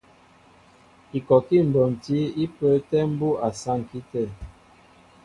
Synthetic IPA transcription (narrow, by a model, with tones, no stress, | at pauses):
i˨kɔ˨ki˦˨m̩˨bɔ˨n˨ti˨˦i˦pə˨˦tɛ˦m̩˦bu˦a˨sa˦˨ŋ˨ki˦tɛ˦˨